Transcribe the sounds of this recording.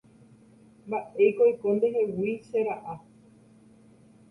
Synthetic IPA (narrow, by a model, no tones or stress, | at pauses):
mbaʔe̞jkojkõnd̪eɦe̞wiseɾaʔa